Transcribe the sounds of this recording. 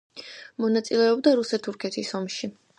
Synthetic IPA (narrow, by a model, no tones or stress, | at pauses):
mɔnat̪sʼilɛɔbd̪aɾusɛt̪ʰːuɾkʰɛt̪ʰisɔmʃi